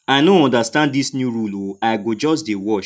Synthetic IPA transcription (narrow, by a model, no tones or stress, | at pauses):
aɪnõɔ̃ndastãnddisnjuɾuloaɪɡod͡ʒɔsdewɔʃ